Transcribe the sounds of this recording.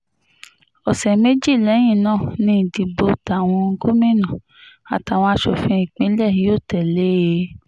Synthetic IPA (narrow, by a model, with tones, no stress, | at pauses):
ɔ˨sɛ˨me˦d͡ʒi˦˨lɛ˨˦j̃ĩ˦˨nãː˦˨nĩ˧n̩˨ti˨bo˧˨ta˨w̃ɔ̃˧ŋ̩˦ɡo˦mĩ˦nã˨ | a̰˨ta˨w̃ɔ̃˧a˧ʃɔ˧˨fĩ˧˦i˨k͡pĩ˦lɛ˦˨hi˨˦o˦˨tɛ˨le˨˦˧